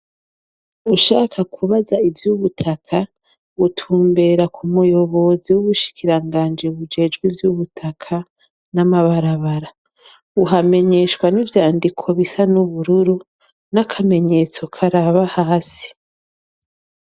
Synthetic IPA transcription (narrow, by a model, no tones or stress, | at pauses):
uʃaːkʰakʰuβazaivjuβutʰakʰa | βutʰuːmbe̞ɾakʰumujo̞βo̞ziwuβuʃi̥kiɾaŋɡaːnd͡ʒiβud͡ʒe̞ːd͡ʒɡwivjuβutʰakʰa | namaβaɾaβaɾa | uɦame̞ɲe̞ʃkwanivjaːndikʰo̞βisanuβuɾuɾu | nakʰame̞ɲe̞t͡so̞kʰaɾaβahaːsi̥